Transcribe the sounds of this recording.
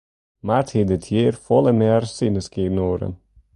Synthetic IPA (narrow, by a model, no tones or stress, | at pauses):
marthidɪtʰjiːrfɔlˠəmɛrsinəskiːnoːɾə̰n